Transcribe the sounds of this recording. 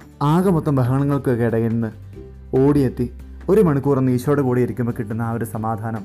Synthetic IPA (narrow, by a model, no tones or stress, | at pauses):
aːɣɐmot̪ːɐmbʱɐɦɐɣɐɳɐŋːɐɭkɨkiɽɐjiɾunːɨ | oːɽijet̪ːi | o̞ɾumɐɳukːuːrɐnːiːɕo̞ːɽekuːɽijɐɾikʲːumbokiʈːunːɐːʋɐɾusɐmaːd̪ʱaːnɐm